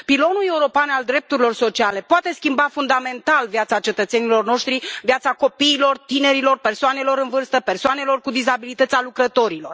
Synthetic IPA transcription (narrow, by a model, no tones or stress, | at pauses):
pilo̞nule̞uɾo̞peanald̪ɾe̞p̚t̪uɾilo̞rso̞t͡ʃiale̞poat̪e̞skʲimbafund̪ame̞nt̪alvjat̪sat͡ʃe̞t̪ət̪se̞nilo̞rno̞ʃt̪ɾivjat̪sako̞piːlo̞rt̪ine̞ɾilo̞rpe̞rsoane̞lo̞ɾɨnvɨrst̪əpe̞rsoane̞lo̞rkud̪izabilit̪ət̪ʲalukɾət̪o̞ɾilo̞r